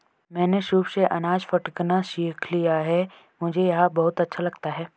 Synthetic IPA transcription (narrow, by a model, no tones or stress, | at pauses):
mɛ̃ːneʃuːbseʔɐnaːd͡ʒfɐʈknaʃiːkʰlijaɦɛ | mʊd͡ʒʱejɐɦãbɐɦʊt̪ɐtːʃʰalɐɡt̪aɦɛː